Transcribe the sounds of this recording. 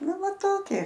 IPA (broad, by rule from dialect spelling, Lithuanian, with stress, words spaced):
ˈnʊ ˈʋɐ ˈtoːkʲiɛ